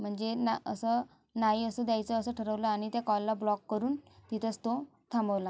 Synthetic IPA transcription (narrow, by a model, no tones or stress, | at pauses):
m̤əɳd͡zenaə̰sə | naiəsəd̪jajt͡səəsəʈʰəɾəʋləaɽ̃it̪jakɔlːablɔkːəɾuːnt̪it̪ʰət͡st̪o | t̪ʰãmbəʋla